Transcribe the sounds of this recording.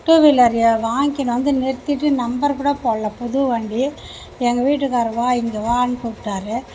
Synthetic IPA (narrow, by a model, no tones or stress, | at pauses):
ʈːuʋilɐɾjɐʋaːŋkɪnɐʋɐnd̪ɯnɛɾt̪ːɪʈːɯnɐmbɐɾkuːɽɐpoːɭːɐpɔðuʋɐːɳɖi | ɛŋɡɐʋiːʈ̬ːɯkaːɾɐʋaːɪŋɡɐʋaːɐnɯkuʈːaːɾɯ